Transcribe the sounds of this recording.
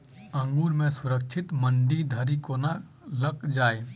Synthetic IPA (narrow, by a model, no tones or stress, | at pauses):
ə̃ŋɡuːɾmẽsʊɾəkʃʰɪt̪məɳɖid̪ʱəɾikona | ləkd͡ʒaːe